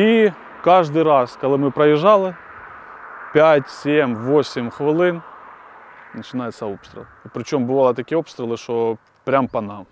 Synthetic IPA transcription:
i | kaʐd̪ɨjɾaskɐlˠamɨpɾɐjɪʐalˠɨ | pʲætʲsʲemʲvosʲɪmʲxvɨlˠɨn | nət͡ɕɪnajɪt̪sɐopst̪ɾʲɪ̰lˠpɾʲɪt͡ɕo̞mbɨvalˠɨt̪ɐkʲiːɛo̞pst̪ɾʲɪlˠɨʂt̪o | pɾʲampɐnam

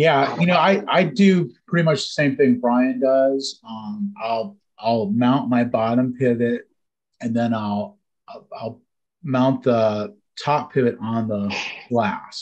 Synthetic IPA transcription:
jæjɨñoʊaɪʔaɪdɨpʰɹ̥ɪɾimʌt͡ʃðəsẽɪ̃mθɪ̃ŋbɹaɪɨ̃ndʌzʌ̃maɪlˠ | ʔaɪlˠmãʊ̃nʔmaɪbɑɾə̃mpʰɪvɪt̚ | ɨ̃nðɨ̃naɪlˠ | aɪaɪlˠ | mãʊ̃nðə | tʰɑpʰɪvɨɾn̩ðəɡ̥læs

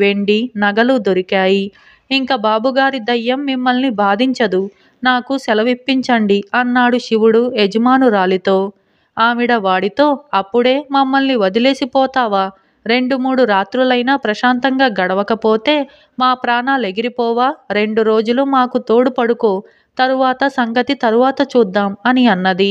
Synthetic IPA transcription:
ʋe̞ɳɖinɐɡɐlud̪oɾikaːji | iŋkaːbaːbuɡaːɾid̪ɐjːɐmːimːɐlnibaːd̪ʱiɲt͡ʃɐd̪u | naːkusɛlɐʋipːiɲt͡ʃɐɳɖiɐnːaːɽuʃiʋuɽue̞d͡ʒɐmaːnuɾaːlit̪o̞ː | aːmiɽɐʋaːɽit̪o̞ːɐpːuɽe̞ːmɐmːɐlniʋɐd̪ile̞ːsipɔːt̪aːʋaː | ɾe̞ɳɖumuːɽuɾaːt̪ɾulɐjnaːpɾɐʃaːnt̪ɐŋɡaːɡɐɽɐʋɐkɐpoːt̪e̞ː | maːpɾaːnaːleɡiɾipɔːʋaːɾe̞ɳɖuɾo̞ːd͡ʒulumaːkut̪o̞ːɽupɐɽuko̞ː | t̪ɐɾuʋaːt̪ɐsɐŋɡɐt̪it̪ɐɾuʋaːt̪ɐt͡ʃuːd̪ːaːmɐniɐnːɐd̪i

